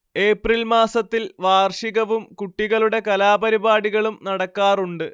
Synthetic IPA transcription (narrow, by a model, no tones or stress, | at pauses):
e̞ːprilmaːsɐt̪ːilʋaːrʂiɣɐʋumkuʈːiɣɐɭuɽe̞kɐlaːbɐɾibaːɽiɣɐɭumnɐɽɐkːaːruɳɖɨ